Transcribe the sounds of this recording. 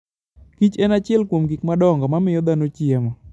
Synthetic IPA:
kit͡ʃɛnat͡ʃɪɛlkwomɡikmadɔŋɡɔmamɪjɔd̪anot͡ʃjɛmɔ

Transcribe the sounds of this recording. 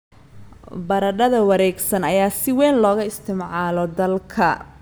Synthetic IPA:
bɐɾɐɖɐðɐwɐɾɛːɡsɐnɐjaːsɪwɛːnlɔːɣɐɪst̪ʰɪmʕaːlɔd̪ɐlkʰɐ

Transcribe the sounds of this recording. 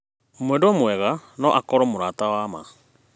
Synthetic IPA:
omwɛːndoɔmwɛɣanɔʔakɔɾɔmoɾaːtawaːma̰

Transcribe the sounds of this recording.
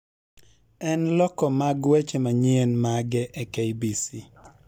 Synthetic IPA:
ɛnlɔkɔmaɡwet͡ʃemaɲenmaɡɛʔɛkeibisi

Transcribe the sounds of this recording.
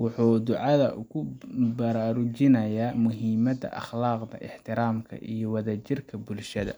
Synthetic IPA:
wʊħuːd̪ʊʕɑðɐʔʊɣʊbɐɾaːɾʊt͡ʃɪnɐjaːmʊɦiːmɐd̪ɐ̰ʔɑ̰χlaːqd̪ɐ̰ʔɪħt̪ʰɪɾaːmkʰɐ̰ʔijɔwɑðaːt͡ʃɪrkʰɐbʊlʃɐðɐ̰

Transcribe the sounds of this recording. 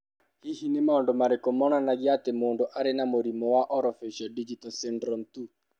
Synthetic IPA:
hihinemaondomaɾekomɔnanaɣjatemoːndoʔaɾenamoɾimɔwaʔɔɾɔfiʃɔdid͡ʒitɔlsɛndɾɔmtu

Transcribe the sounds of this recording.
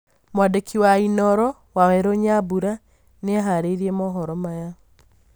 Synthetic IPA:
mwadekʰiwainɔɾɔ | wawɛɾoɲabuɾa | neaɦaɾeɾiemɔɦɔɾɔmaja

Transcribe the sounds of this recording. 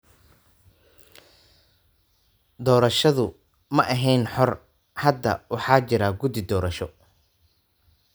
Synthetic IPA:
d̪ɔːɾɐʃɐðʊ | mɐʔɐɦɛjnħɔr | hɐd̪ːɐ̰wɑħɑːt͡ʃɪɾaːɡʊd̪ɪd̪ɔːɾɐʃɔ

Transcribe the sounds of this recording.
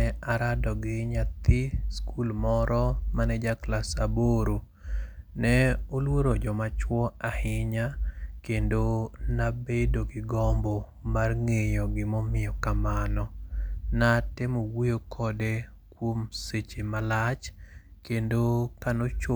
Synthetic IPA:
ɛaɾadɔɡɪɲat̪ɪskʰulmɔɾɔmanɛd͡ʒaklasaboɾo | nɛolwoɾod͡ʒɔmat͡ʃwɔahɪɲakendonabedoɡɪɡɔmbɔ | marŋejɔɡɪmɔmɪjɔkamanɔnatɪmowejokʰɔde | kwomset͡ʃemalat͡ʃ | kendokanot͡ʃo

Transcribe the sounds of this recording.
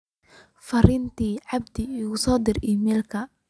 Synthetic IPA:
fɐɾɪnt̪ʰiːʕɑb̚d̪ɪɪɣʊsɔːd̪ɪrɪmɛːlkʰɐ

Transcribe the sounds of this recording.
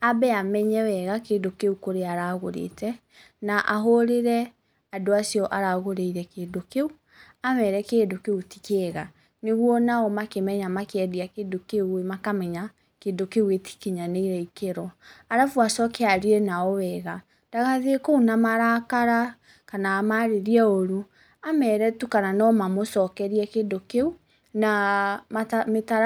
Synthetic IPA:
abɛamɛɲɛwɛɣakeːdokeukoɾeaɾaɣoɾḛtɛ | naʔaɦoɾeɾɛ | adoasiɔʔaɾaɣoɾeiɾɛkeːndokeu | amɛɾɛkeːdokeuti̥keɣa̰ | neɣwɔnaɔmakemɛɲamakeɛdiakeːdokeuemakamɛɲa | kedokeuɣeti̥keɲaneiɾɛikeɾɔaɾafwasɔkeaɾiɾɛnaɔwɛɣa | d̥aɣaðekounamaɾakaɾa | kanamaɾeɾiɛoɾu | amɛɾɛtukananɔmamosɔkɛɾiɛkeːdokeu | namametaɾ

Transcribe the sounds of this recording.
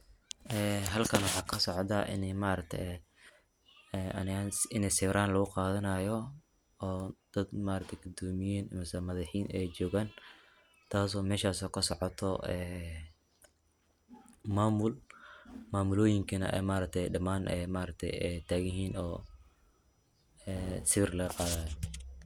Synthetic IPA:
ʔɛːɦɐlkʰɐnwɑħɑːkʰɐsɔʕt̪aʔɪ̰nɛjmaɾɐk̚t̪ʰɛ̰jɛ | ɛɐnɪanɪnɛsɪːɾaːnlɐɣʊqɑːðɐnɐjɔ | ɔːd̪̥ɐd̪maːɾɐk̚t̪ʰɛjɡʊd̪ɔːmɪjiːnɐmɪsɐmɐðɑħiːnɛjt͡ʃɔːɣaːn | t̪ʰaːsɔːmɛːʃaːsɔːkʰɐsɔʕɔt̪ʰɔɛː | maːmʊl | maːmʊlɔːjɪŋkʰɐnɐ̰ʔɛ̰jmaːɾɐk̚t̪ʰɛjɖɐmaːnʔɛːmaːɾɐk̚t̪ʰɛ̰jɛt̪ʰaːɣjɪɦiːnɔː | ɛːsɪβɪrlɐɣɐqɑːðaːjɔ

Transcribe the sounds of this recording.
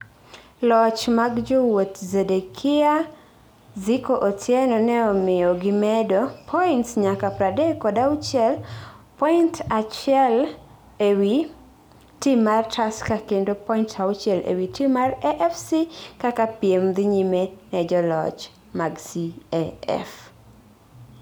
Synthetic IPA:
lɔt͡ʃmaɡd͡ʒowot̪zedekʰɪa | zikoʔotjɛnɔnɛɔmɪɔɡɪmɛdopʰɔintsɲakapɾadɛkɔdaut͡ʃjɛlpɔintat͡ʃɛl | ewi | timartʰaskakendopɔintʰaut͡ʃjɛlḛwitʰimarɛʔɛfsikakapiemd̪ɪɲimenɛd͡ʒɔlɔ̰t͡ʃ | maɡsiɛɛ̰f

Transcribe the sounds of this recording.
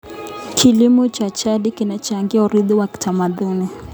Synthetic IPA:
kʰilimut͡ʃat͡ʃaɗikinat͡ʃaŋɡiauɾiðuwaki̥tamaðuni

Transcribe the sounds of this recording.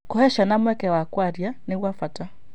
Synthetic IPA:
kɔhɛʃanamwɛkɛwakwaɾjaniwafata

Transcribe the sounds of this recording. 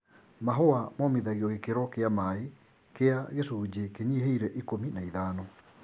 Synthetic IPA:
maɦoamɔmeðaɣiɔɣekeɾɔkeamae | keaɣesuːd͡ʑekeɲiɦeiɾɛʔikominaiðaːnɔ

